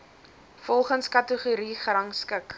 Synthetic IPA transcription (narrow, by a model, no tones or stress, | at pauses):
fɔlˠχənskɐtəχuɾiχrɐŋskək